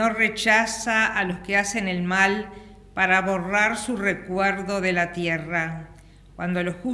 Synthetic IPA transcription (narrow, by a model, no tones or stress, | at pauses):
no̞re̞t͡ʃasaːlo̞skease̞nelmal | paɾaβo̞raɾsure̞kweɾðo̞ðe̞lat̪jera | kwand̪o̞losxu